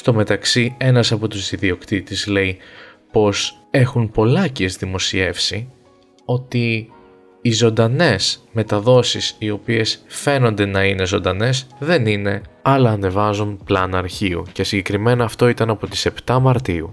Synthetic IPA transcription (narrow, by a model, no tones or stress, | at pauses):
st̪o̞me̞t̪ɐksie̞nɐsɐpo̞t̪uzðiðio̞kt̪it̪izle̞ipo̞s | e̞xunpo̞lɐciezðimo̞sie̞fsi | o̞t̪iː | zo̞nd̪ɐne̞sme̞t̪ɐðo̞sisio̞pie̞sfe̞no̞nd̪e̞nɐine̞zo̞nd̪ɐne̞sðe̞nine̞ɐlɐːne̞vɐzunplɐnɐɾçiṵce̞siɲɟe̞kɾime̞nɐːft̪o̞it̪ɐnɐpo̞t̪i̥se̞pt̪ɐmɐɾt̪iu